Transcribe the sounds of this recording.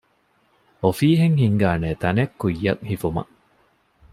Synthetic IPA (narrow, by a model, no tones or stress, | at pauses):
ofiːɦeŋhiŋɡaːneːt̪ɐnekːujːɐŋhifumɐ̰